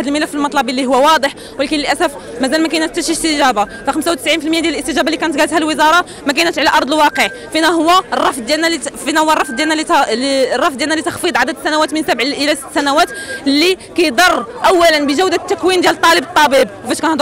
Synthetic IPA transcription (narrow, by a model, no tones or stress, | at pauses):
ħd̪əlməlæfːəlmɑt̪ˤlɑbəlːiɦʊwːæwɑd̪ˤəħ | wəlækiləlʔæsæf | mæzælmækæjnæt̪ːæʃist̪əʒæbafæxəmsawt̪ə̥sʕinfilməjad̪jæləlʔəst̪əʒæbalːikænət̪ɡælət̪hælwəzɑɾˤɑ | mækænət̪ʕlæʔɑɾˤd̪ˤəlwɑqəʕ | finæɦʊwːærˤːɑfd̪̚ˤd̪jænælfinæhʊwːərˤɑfd̪d̪jænːælirˤɑfd̪jælnːælit̪ɑxfid̪ˤʕad̪əd̪əsːænæwæt̪mənsæbʕʔəlæsə̥t̪ːsænæwæt̪lːikæjd̪ˤɑrˤːʔæwːælənbəʒæwd̪æt̪ːækwind̪jælt̪ˤːɑləbət̪ˤːɑbibwfæʃkænhd̪